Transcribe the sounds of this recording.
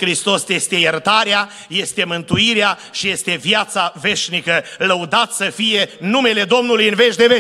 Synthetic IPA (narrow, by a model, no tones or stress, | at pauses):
kɾist̪o̞sje̞st̪e̞jert̪aɾea | je̞st̪e̞mɨnt̪uiɾeaʃije̞st̪e̞vjat̪save̞ʃnikələud̪at̪səfije̞nume̞le̞d̪o̞mnulujɨnve̞ʃd̪e̞ve